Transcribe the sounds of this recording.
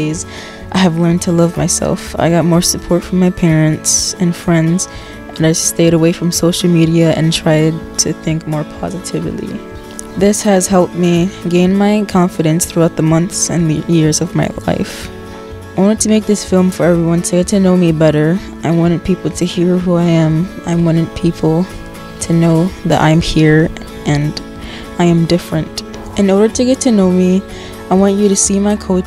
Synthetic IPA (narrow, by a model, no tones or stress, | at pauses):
ɪz | ʔaɪɨvlɜ̃˞ntʰəlʌvma̰ɪsɛ̰lˠfa̰ɪɡɑt̚mɔɹsɨpʰɔɹtfɹʌ̃mːaɪpʰɛɹɨ̃ntsɨ̃nfɹɛ̃ndz̥ | ʔɨ̃naɪsteɪɾəweɪfɹʌ̃msoʊʃl̩ˠmiɾiɨɨ̰̃ntʰɹ̥aɪd̚tʰɨθɪ̃ŋkmɔɹpʰɑ̰zɨɾʰɪ̰vlḭ | ðɪshɨz̥hɛlˠp̚t̚miɡẽɪ̃nmaɪkʰɑ̃ɱfɨɾɨ̃nsθɹuaʊt̪̚ðəmʌ̃nθsɨ̰̃nðɨjɪɹzʌvmaɪla̰ɪf | aɪwɑ̃nɨtʰɨmeɪk̚ðɪsfɪlˠɱfə˞ɛvɹiwʌ̃ntʰɨɡɛtʰɨnoʊmibɛɾə˞ | ãɪwɑ̃ɾ̃ɨpʰipl̩ˠtʰɨhiɹɦuaɪɨ̃mã̰ɪ̃mwɑ̃ñɨd̚pʰipʰl̩ˠ | tʰɨnoʊðɨ̰ɾʔã̰ɪ̃mhiɹ | ʔɨ̃n | ʔaɪɨ̃mdɪfɹɨ̃nt | ɨ̃nɔɹɾə˞ɾɨɡɛtʰɨnoʊmi | aɪwɑ̃nt͡ʃɨɾɨsimaɪkʰoʊ